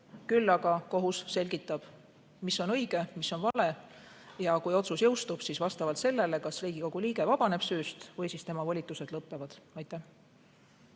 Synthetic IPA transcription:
kylːɑɡ̥ɑko̞ɦusse̞lʲɡit̪ːˑɑb̥ | misːo̞nɤ̞jɡ̥e̞miso̞nvɑle̞ | jɑkujo̞t̪susjɤwst̪ub̥sisvɑst̪ɑvɑlt̪se̞lːe̞le̞kɑsriːɡ̥iko̞ɡ̥uliːɡ̥e̞vɑb̥ɑne̞b̥syːst̪vɯjsist̪e̞mɑvɑlʲit̪ːˑuse̞d̪lɤpːe̞vɑd̪̥ɑjt̪ːˑæh

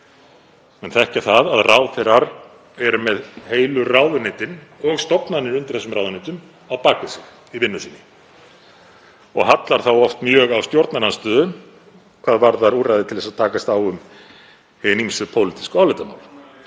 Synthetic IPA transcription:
ɛnθaɛhcaθaðaðraːwθɪɾaɾ | ɛɾʏmɛðheːjlʏraːwðʏneːt̪ɪnɔɣst̪ɔpnanɪɾʏnt̪ɪɾ̥θɛsʏmraːwðʏnet̪ʏm | awpaːkvɪsɪx | ivɪnːʏsiːnɪ | ɔɣɦat̪laɾ̥θawɔft̪mjœːɣawst̪jɔwɾt̪nananst̪œːðʏn | kʰvaːðvaɾθaɾuːrajðɪt̪ʰɪlðɛsat̪ʰaːkast̪awʏm | hɪnimsʏðpʰowlɪt̪i̥skawlʏt̪amaːwl

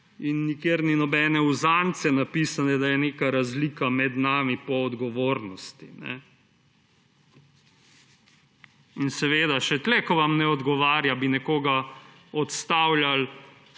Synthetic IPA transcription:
inːikeːɾninɔbɛːnɛuzant̪sɛnapiːsanɛd̪ajɛneːkaɾazlikamɛd̪naːmipɔːd̪ɡɔʋoːɾnɔst̪inɛ̰ | insɛʋeːd̪aʃɛt̪lɛkɔʋamnɛɔd̪ɡɔʋaːɾjabinɛkoːɡa | ɔt̪st̪aːwljal

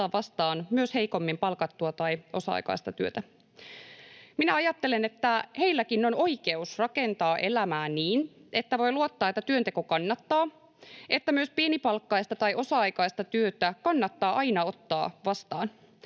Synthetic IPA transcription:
ɑːʋʋɑst̪ɑːnmyøshe̞ijko̞mːimpɑlkɑt̪ːuɑt̪ɑjʔo̞sɑ̰ɑ̰jkɑ̰ist̪ɑt̪yøt̪æ | minæɑjɑt̪ːe̞lenet̪ːæheilːækinːo̞no̞ike̞usrɑkent̪ɑːʔe̞læmæːniːnʔet̪ːæʋo̞jluot̪ːɑːet̪ːæt̪yønt̪eko̞kɑnːɑt̪ːɑː | e̞t̪ːæmyø̞spienipɑlkːɑjst̪ɑt̪ɑjʔo̞sɑɑjkɑijst̪ɑt̪yøt̪ækɑnːɑt̪ːɑːʔɑjnɑo̞t̪ːɑ̰ːʋɑst̪ɑ̰ːn

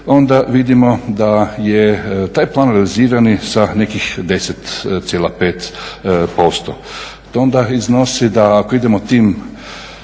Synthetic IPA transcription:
o̞nd̪aʋid̪imod̪ajet̪aːjplˠaːnɾealiziːɾanisane̞kixd̪e̞set̪t̪sjelapeːt̪post̪o̰ | t̪ond̪aiznosid̪aːkoid̪emot̪iːm

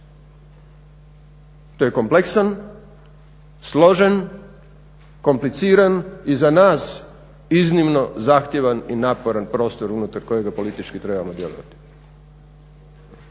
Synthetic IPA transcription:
t̪ojeko̞mpleksan | slˠo̞ʒen | ko̞mplit̪siːɾanizanaːs | iznimno̞zaxt̪jeʋaninapo̞ɾanpɾo̞ːst̪o̞ɾunut̪aɾko̞je̞ɡapo̞lit̪it͡ʃkit̪ɾe̞ːbamod̪je̞loʋa̰t̪i̥

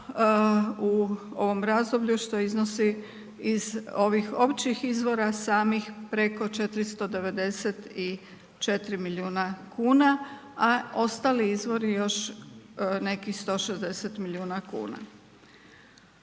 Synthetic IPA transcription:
uo̞ʋo̞mɾazd̪o̞bʎuʃt̪o̞iznosi | izo̞ʋixo̞pt͡ɕixizʋo̞ɾasaːmixpɾe̞ko̞t͡ʃe̞t̪ɾist̪o̞d̪e̞ʋe̞d̪e̞set̪i | t͡ʃe̞t̪ɾimiliuːnakʰuːna | ao̞st̪aːliizʋo̞ɾijo̞ʃ | ne̞kixst̪o̞ʃezd̪e̞set̪milʲiuːnakṵːna̰

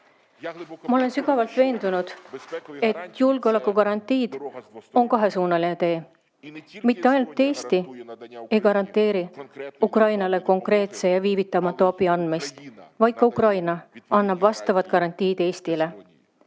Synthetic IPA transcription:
mɑo̞le̞nsyɡ̥ɑvɑlt̪ve̞ːnd̪unud̪̥ | e̞t̪julɡ̥eo̞le̞kːˑukɑɾɑnt̪ːˑiːd̪̥o̞nkɑɦe̞suːnɑlinet̪e̞ː | mit̪ːe̞ɑjnult̪ːˑe̞ːst̪i | e̞jkɑɾɑnt̪ːˑe̞ːɾiukrɑjnɑle̞ko̞ŋkre̞ːt̪se̞jɑviːvit̪ːˑɑmɑt̪ːˑɑɑbiɑnd̪̥mist̪vɑjd̪̚kɑukrɑjnɑɑnːɑb̥vɑst̪ɑvɑt̪ˑkɑɾɑnt̪ːˑiːd̪e̞ːst̪ile̞

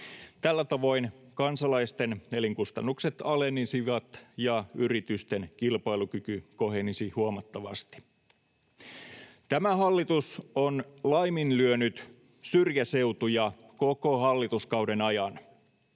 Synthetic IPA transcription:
t̪ælːæt̪ɑʋo̞inkɑnsɑlɑist̪eneliŋkust̪ɑnːukse̞t̪ɑlenːisiʋɑt̪jɑyrit̪yst̪enkilpɑjlukykyko̞ɦenisihuomɑt̪ːɑʋɑ̰st̪i̥ | t̪æmæɦɑlːit̪usonlɑjminlyønyt̪ | syrjæse̞ut̪ujɑ | koko̞hɑlːit̪uskɑwde̞nɑjɑn

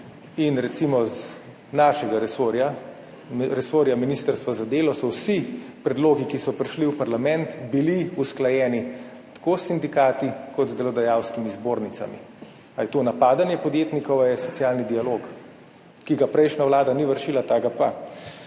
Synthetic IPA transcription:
inɾɛt̪simɔz | naʃɛɡaɾɛoɾja | ɾɛsoːɾjaminist̪əɾst̪ʋazad̪eːlɔsɔwsipɾɛd̪loːɡikisɔpɾiʃliwpaɾlamɛnt̪biliusklajɛːni | t̪ḁkoːsːind̪ikaːt̪ikɔt̪zd̪ɛlɔd̪ajawskimizboːɾnit̪sa̰mḭ | ajɛt̪onapaːd̪anjɛpɔd̪jeːt̪nikɔwajɛsɔt̪sijaːlnid̪ialoːk | kiɡapɾɛjʃnawlaːd̪aniʋəɾʃiːlat̪aɡapa

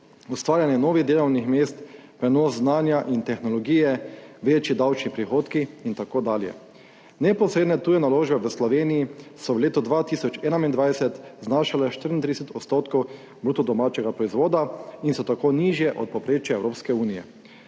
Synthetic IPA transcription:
ust̪ʋaːɾjanjɛnoːʋiɣd̪eːlɔwnixmeːst̪pɾɛnoːzznaːnjaʔint̪ɛxnɔlɔɡiːjɛʋeːt͡ʃid̪awt͡ʃnipɾixoːt̪kiint̪akoːd̪aːljɛ̰ | nɛpɔsɾeːd̪nɛt̪uːjɛnaloːʒbɛʋəslɔʋeːnijisɔwleːt̪ɔd̪ʋat̪iːsɔt͡ʃɛːnamind̪ʋaːjdsɛt̪znaːʃalɛʃt̪əɾint̪ɾiɛsɛt̪ɔt̪st̪oːt̪kɔw | bɾuːt̪ɔd̪ɔmaːt͡ʃɛɡapɾɔizʋoːd̪ainsɔt̪akoːniʒjɛʔɔ̰t̪̚pɔpɾeːt͡ʃjaɛwɾoːpskɛuːnijɛ̰

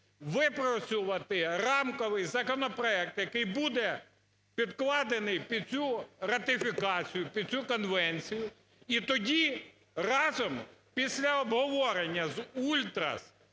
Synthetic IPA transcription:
ʋɪpɾɔt͡sʲʊʋɐt̪ɪrɑmkɔʋɪjzɐkɔnɔpɾɔɛk̚t̪jɐkɪjbud̪ɛ | pʲid̪klˠɑd̪enɪjpʲid̪̚t͡sʲuɾɐt̪ɪfʲikɑt͡sʲijʊpʲid̪̚t͡sʲukɔnʋɛnʲt͡sʲijʊ | it̪ɔdʲi | rɑzɔmpʲisʲlʲɐɔbɦɔʋɔɾenʲːɐzulʲt̪ɾɐ̰s

